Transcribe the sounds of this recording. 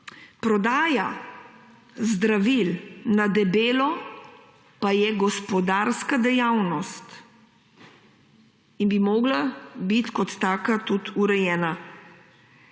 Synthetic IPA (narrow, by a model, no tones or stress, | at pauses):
pɾɔd̪aːja | zd̪ɾaʋilnad̪ɛbeːlɔ | pajɛɡɔspɔd̪aːɾskad̪ɛjawnɔst̪ | inbimoːɡlabit̪kɔt̪ːaːkat̪ut̪uɾɛjɛːna